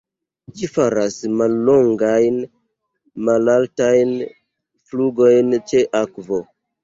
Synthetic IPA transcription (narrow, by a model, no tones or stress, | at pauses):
d͡ʒifaɾasmalːo̞ŋɡajn | malaltajn | fluɡo̞jnt͡ʃe̞ʔakvo̞